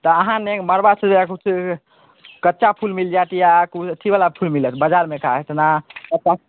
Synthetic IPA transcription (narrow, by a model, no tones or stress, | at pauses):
t̪ɔəɦãneməɾbasəbakut͡ʃʰ | kətːʃapʰulmild͡ʒat̪jakut͡ʃʰət̪ʰːibalapʰulmilət̪ʰbəd͡ʒaɾmekaɦet̪nakətːa